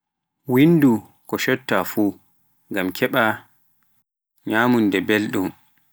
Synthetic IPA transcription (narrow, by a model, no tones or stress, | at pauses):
windu | kɔʃɔtːafuː | ɡamkʰɛɓa | ɲaːmundɛbelɗum